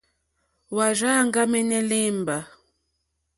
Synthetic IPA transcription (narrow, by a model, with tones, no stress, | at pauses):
wa˨ʒa˦˨ŋɡa˦mɛ˦nɛ˦le˦mba˨